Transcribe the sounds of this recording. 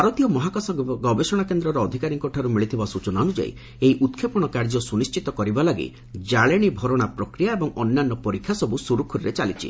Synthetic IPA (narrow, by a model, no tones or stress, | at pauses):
baɾɔt̪ijɔmɔɦakasɔɡɔbesɔɽ̃akend̪ɾɔɾɔːd̪ʱikaɾiŋkɔʈʰaɾumiɭit̪ʰibasut͡ʃɔnaɔnud͡ʒa̰ḭ | eiʔut̪kʰepɔɽ̃ɔkaɾd͡ʒɔsunist͡ʃit̪ɔkɔɾibalaɡḭ | d͡ʒaɭeɽ̃ibʱɔɾɔɽ̃apɾɔkɾijaebɔŋɔnːanːɔpɔɾikʰːjasɔbusuɾukʰuɾɾet͡ʃalit͡ʃʰḭ